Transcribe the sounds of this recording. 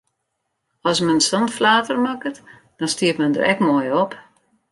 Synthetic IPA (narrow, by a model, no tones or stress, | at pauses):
ɔsmɛnsɔntflaːtərmakət | d̥ɔnstiəpmɛndə̰rɛkmoːjɔp